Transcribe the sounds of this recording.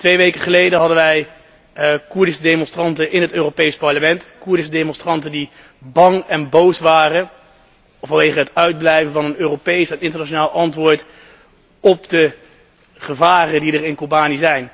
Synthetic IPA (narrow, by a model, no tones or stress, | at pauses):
tʋejʋejkəχəlejdəɦɑdənʋɛj | kuɹdɪsədemɔ̃nstrɑntəʔɪnɦətøːropejspɑɹləmɛntkuɹdɪs̬ədemɔ̃nstrɑntəndi | bɑŋɛnbowsʋaːrə | fɑnʋejχəɦətœɥd̚blɛjvənvɑnənøːropejsɛnɪntəɹnaʃonaːlˠʔɑntʋʊːɹt | ɔp̚də | χəvaːrədidərɪnkobaːniəzɛjn